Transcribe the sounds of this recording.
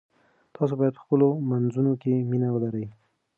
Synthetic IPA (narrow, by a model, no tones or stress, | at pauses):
t̪ʰɑs̬obɑjad̪̚pəxpəlomanzunokeminawəlaɾəj